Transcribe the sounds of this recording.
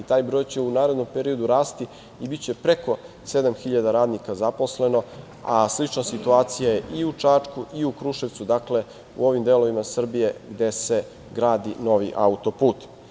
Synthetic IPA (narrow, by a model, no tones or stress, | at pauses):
it̪aːjbɾo̞ːjt͡ɕe̞unaːɾed̪nompe̞ɾio̞d̪uɾaːst̪i | ibitt͡ɕe̞pɾeko̞ | se̞d̪amxiʎad̪aɾaːd̪nikazapo̞sle̞no̞ | aslit͡ʃnasit̪uaːt̪sijajeʔiut͡ʂaːt͡ʂkuʔiukɾuːʃe̞ʋt̪sud̪akle̞ | ṵo̞ʋimd̪elo̞ʋimasr̩bije̞ɡd̪e̞se̞ | ɡɾaːd̪ino̞ʋiʔa̰ut̪o̞puːt̪